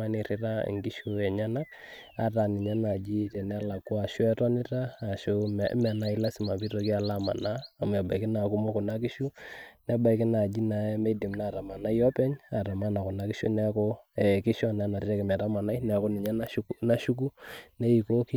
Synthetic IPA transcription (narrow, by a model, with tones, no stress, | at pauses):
a˦ni˨ɾɪ˦ɾa̰˦˨ŋɡi˦ʃu˦ɛ˨ɲa˦na˦k | a̰˨ta˨nɪ˨ɲa˦na˨d͡ʒi˦tɛ˨nɛ˦a˦la˨kːɔ˦a˨ʃwɛ˦tɔ˦nɪ˦taː˦˨ʃo˦mɛ˨na˨i˦la˦si˨ma˨pi˦ɾɔ˨ki˦a˨la˦ma̰˨naː˦˨m˨a˨ba̰˨i˨kɪ˦na˨ku˦mɔ˦kɔ˨na˦ki˦ʃu˦nɛ˦ba˨i˦ki˦na˨d͡ʒi˦na˨˦me˦di˨mna˦˨ɾa˨ma˨na˦jɔ˦pɛ˦ɲa˨ɾa˨ma˦na˨kɔ˨na˨˦ki˦ʃo̰˦nɛ˦kɔ˦ɛ˨ki˦ʃɔ˦˨na˨˦na˨ɾɾɛ˦kɛ˨mɛ˨ta˦ma˨na˦i˦nɛ˨kɔ˦ni˨ɲa˦n˦na˦ʃu˦k̬u˦nɛ˦i˨ko˦ki˦